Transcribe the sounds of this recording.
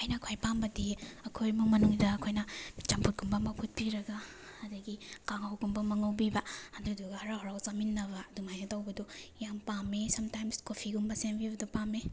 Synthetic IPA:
ajnɐkʰajpambɐdiɐkʰojmumɐnuŋdɐːkʰojnɐt͡ʃɐmpʰut̚ɡumbɐmɐpʰut̚piɾɐɡa | ɐdɐɡikaŋawɡumbɐmɐŋɐwbibɐɐduduɡɐhɐɾaɦoɾawzaminːɐbɐduŋajnɐtawbɐdɔjampamesɐmtajmskopʰiɡumbɐsembibɐdupame

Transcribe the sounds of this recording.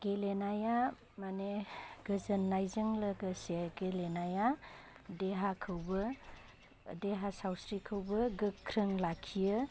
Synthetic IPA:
ɡ̥elenaja | maneɡ̥ɯzənːajzɯŋləɡɯseɡelenajadeɦakʰɯwbɯ | deɦasawsɾikʰɯwbɯɡɯkʰːɾəŋlakʰijɯ

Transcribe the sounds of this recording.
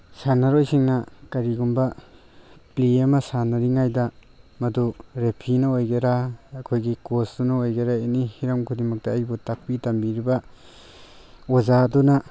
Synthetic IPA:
sanaɾojsiŋnakɐɾiɡumba | pliemasanaɾiŋajda | mɐduɾepʰinɐojɡeɾaːkʰojɡikosdunɐojɡeɾaenihiɾɐmkʰudimɐk̚taːjbutak̚pitambiɾiba | azaduna

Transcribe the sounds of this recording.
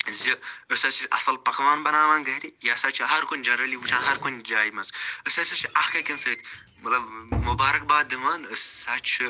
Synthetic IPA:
ziəsʲɐt͡ʃʰiʔɐ̰sɐlpɐkɐʋaːnbɐnaːmaːnɡɐɾijaːsat͡ʃʰiɦɐɾkonʲd͡ʒɐnɾɐliːwut͡ʃʰaːnɦɐɾkond͡ʒaːjimɐzəsʲɐsɐt͡ʃʰiʔɐxkɐkʲinsɐit̪ʰ | mɐt̪lɐbmubaːɾɐk̚baːd̪iʋaːnəsaːt͡ʃʰi

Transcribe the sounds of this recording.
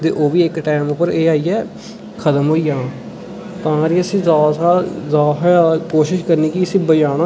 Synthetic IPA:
t̪ḛːʔoːʋiːɪkʈɛːmʊpːəɾeːaːiːɛː | kʰət̪əmɦoːiːãː | t̪ãːɾiːəsĩːzaːsaːzaːɦkoːʃɪʃkəɾniːkɪəsĩːbəd͡ʒaːnãː

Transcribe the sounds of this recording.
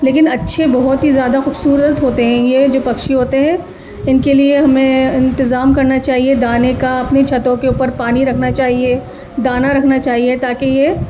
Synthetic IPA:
leːkɪnɐtːʃʰebɐɦʊt̪ɦizjaːd̪axʊbsuːɾət̪ɦoːt̪eɦɛ̃jed͡ʒoːpɐkʃiɦoːt̪eɦɛ̃ː | ɪnkelieɦɐmẽɪ̃nt̪ɪzaːmkɐɾnat͡ʃaːɦied̪aːnekaɐpnet͡ʃʰɐt̪õkeuːpəɾpaːniɾɐkʰnat͡ʃaːɦie | d̪aːnaɾɐkʰnat͡ʃaːɦiet̪aːkeje

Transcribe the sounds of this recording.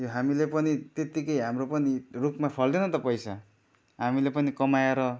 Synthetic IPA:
joɦamilepʌnit̪et̪ikʌjɦamropʌnirukmapʰʌld̪enʌt̪ʌpʌjsa | ɦamilepʌnikʌmajeɾʌ

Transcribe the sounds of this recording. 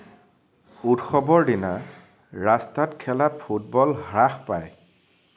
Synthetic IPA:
utxɔbɔɹdina | ɹastatkʰɛlappʰut̚bɔlɦɹaxpaj

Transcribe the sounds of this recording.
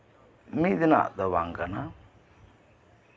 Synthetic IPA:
mid̪ina̰d̪əβaŋɡana

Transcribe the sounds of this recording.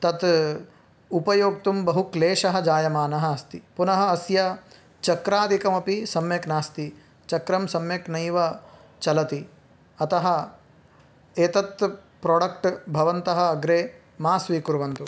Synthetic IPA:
t̪ɐt̪ | upɐjoːk̚t̪umbɐɦukleːʃɐɦɐ̆d͡ʒaːjɐmaːnɐɦɐɐst̪ipunɐɦɐ̆ɐsjɐ | t͡ʃɐkɾaːd̪ʱikɐmɐpisɐmjɐknaːst̪i | t͡ʃɐkɾɐmsɐmjɐknɐjʋɐ | t͡ʃɐlɐt̪i | ɐt̪ɐɦɐ̆ | eːt̪ɐt̪ | pɾoːɖɐkʈbʱɐʋɐnt̪ɐɦɐ̆ːɡɾeː | maːsʋiːkuɾʋɐnt̪u

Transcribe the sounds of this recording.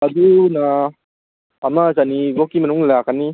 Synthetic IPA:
ɐd̪una | mazanibokimɐnuŋlakanːi

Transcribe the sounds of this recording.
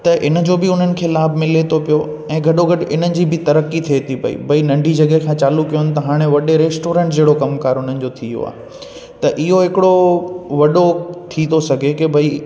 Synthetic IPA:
t̪ɐʔɪnə̆d͡ʑoːbɪʊn̤ənɪ̆kʰeːlaːbʱmɪlet̪ʰopijo | ɛ̃ːɡʱɐɗoɡɐɖʔɪnənɪ̆d͡ʑibɪt̪ɐɾəkit̪ʰiet̪ʰipɐ̰ḭbʱɐinɐ̃ɳɖʱid͡ʑɐɡɦekʰãːt͡ɕaːlukːijʊnɪ̆t̪ɐɦaːɽ̃eʋɐɗeɾeːsʈoːɾẽːɳʈd͡ʑeːɽokɐmkaːɾʊn̤ənɪ̆d͡ʑot̪ʰijo̰a̰ːɦe | t̪ɐʔɪɦoɦɪkɪɽoʋɐɗot̪ʰit̪ʰosɐɡʱekebʱɐi

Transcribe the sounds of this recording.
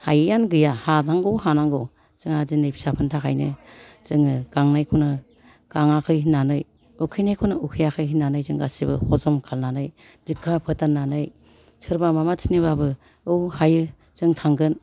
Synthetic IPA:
hajɯjanɡɯjahatʰaŋɡowhanaŋɡɯw | t͡ʃɯŋazinɯjpʰi̥sapʰɯntʰakʰajnɯ | zɯŋɯɡ̥aŋnajkʰunɯ | ɡ̥aŋakʰɯjhinːanɯj | ukʰɯjnajkʰunɯukʰijakʰɯjɦinːanɯjzɯŋɡa̰sibɯ̰hʰɔzɔmkʰalnanɯj | b̥ikʰːapʰɯtanːanɯj | sʰɯɾbamamatʰiniβabɯ | ɯwhajɯ | t͡ʃɯŋtʰaŋɡɯn

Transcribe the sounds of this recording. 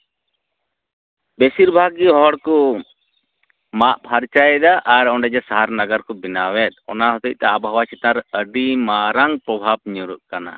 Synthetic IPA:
besiɾbʱaɡiɦɔɦɔɽkɔ | maʔpʰaɾt͡ʃajɛd̪aʔaɾɔɳɖɛd͡ʒasaɦaɾnaɡaɾkɔbinawɛt̪̚ɔ̰naɦɔt̪əc̚t̪ɛabawat͡ʃʰɛt̪aɾəɖimaɾaŋpɾɔbʱab̚ɲɔɾuʔ̚kana̰

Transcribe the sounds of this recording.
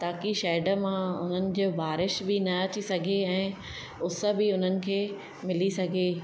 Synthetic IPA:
t̪aːkiʃɛːɖəmãʊn̤ənɪ̆d͡ʑoːbaːɾɪʃbɪnɐɐt͡ɕisɐɡʱeɛ̃ː | ʊsə̆bɪʊn̤ənɪ̆kʰeː | mɪlisɐɡʱeː

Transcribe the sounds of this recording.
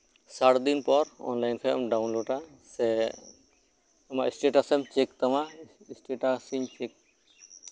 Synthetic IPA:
saʈd̪inpɔɾɔ̰nlajnkʰɛɔ̰mɖawnloɖa | sɛ | amaʔisʈeʈasɛmt͡ʃɛk̚t̪ama | isʈeʈasiɲt͡ʃɛk̚

